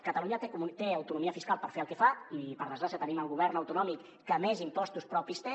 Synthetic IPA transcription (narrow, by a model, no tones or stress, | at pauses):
kət̪əluɲəkut̪eəwt̪unumiəfiskalˠpəɾfeəlˠkefaipəɾð̞əzɣɾasiət̪əniməlˠɣuβ̞ɛɾnəwt̪unɔmikːəmɛzimpɔst̪uspɾɔpist̪e